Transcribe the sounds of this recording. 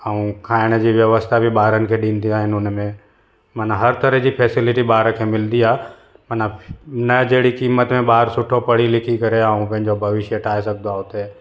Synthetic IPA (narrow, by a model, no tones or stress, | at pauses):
əũkʰaːɪɽ̃d͡ʑiʋjɐʋəst̪ʰabʱiɓaːɾənɪ̆kʰeːɗĩːnd̪iaːɦɪnʊnmẽ | mɐnãɦɐɾt̪əɾəɦd͡ʑipʰɛːsɪlɪʈiɓaːɾkʰeːmɪld̪ia | mɐnãnɐd͡ʑeːɽikiːmət̪mẽɓaːɾsʊʈʰopɐɽilɪkʰikɐɾeaũpɐ̃ɦɪ̃ɲd͡ʑobʱɐʋɪʃjəʈʰaːesɐk̚d̪oaːɦʊt̪e